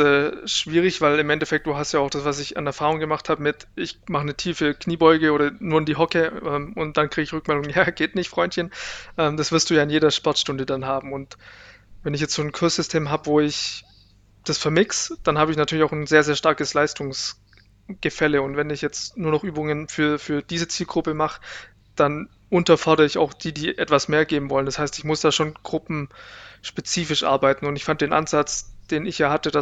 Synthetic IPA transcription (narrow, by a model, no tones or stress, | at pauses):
ɛːʃv̥iːʁ̞ɪçv̥aɪlɪmʔɛntɛfɛk̚td̥uːɦastjaːaʊxd̥asv̥as̬ɪça̰nɛɐfaːʁʊŋɡəmaχthaːbəmɪtʔɪçmaχənətʰiːfəkniːbɔʏɡəoːɾɐnuːɐɪndiːɦɔkəʔɛːmʊnt̚d̥ankʁ̥iːɡəɪçʁʏkmɛldʊŋəjaːɡ̥eːtnɪçtfʁ̥ɔʏntçənʔɛːmd̥asv̥ɪɐstd̥uːjaːɪnjeːɾɐʃpɔɐtʃtʊndədanɦaːbm̩ʊnt | vɛnɪçjɛt͡stz̥oːnkʰʊɐsz̥ʏstʰeːmɦaːbəvoːɪç | d̥asfɛɐmɪksd̥anhaːbəɪçnatʰyɐlɪçaʊxn̩zeːɐzeːɐʃtaɐkəslaɪstʊŋs | ɡ̥əfɛləʊntv̥ɛnɪçjɛt͡stnuːɐnɔχʔyːbʊŋənfyːɐfyːɐd̥iːzət͡siːlɡʁʊpəmaχə̥ | d̥an | ʔʊntɐfɔɐɾɐʁəɪça̰ʊxd̥iːdiːʔɛtv̥asmeːɐɡeːbm̩vɔləndashaɪstɪçmʊsd̥aːʃoːnɡ̥ʁʊpm̩ʃpet͡siːfɪʃʔa̰ɐbaɪtn̩ʊntɪçfant̚d̥eːnʔa̰nzat͡sd̥eːnɪçjaːhatəd̥a